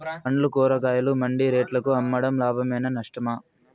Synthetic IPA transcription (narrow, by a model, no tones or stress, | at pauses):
pɐɳlukɔːɾɐk̬aːjɐlumɐɳɖiɾeːʈlɐkuɐmːɐɽɐmlaːbʱɐmɐjnɐnɐʂʈɐma